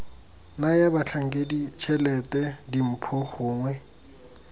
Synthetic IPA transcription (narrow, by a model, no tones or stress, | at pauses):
najabat͡ɬʰaŋ̩kʼedit͡ʃʰɛlɛtɛdim̩pʰɔχʊːŋwɛ